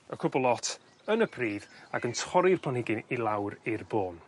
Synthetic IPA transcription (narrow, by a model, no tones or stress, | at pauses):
əkʰʊbɔlˠɔtʰ | ənəbʰriːðaɡəntʰɔɾɪrpʰlˠanɪɡɪnilˠawɾɪrboːn